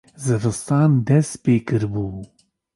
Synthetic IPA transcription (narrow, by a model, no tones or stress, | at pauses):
zɨɾɨst̪ɑːnd̪ɛst̪peːkɨɾbuː